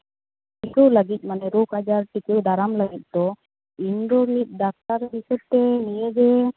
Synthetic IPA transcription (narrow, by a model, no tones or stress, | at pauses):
ʈikəwləɡit̪̚ˀmanɛɾokad͡ʒaɾʈikəwd̪aɾamləɡit̪̚ˀd̪ɔ | inɖɔɾlit̪̚ˀɖak̚t̪aɾbisɔd̪̚t̪ɛnijəd͡ʒɛ